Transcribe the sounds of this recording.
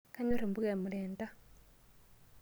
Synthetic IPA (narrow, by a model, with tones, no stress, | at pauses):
ka˦ɲo˦ɾe˨mbu˦ɣe˨mu˨leː˨nta˦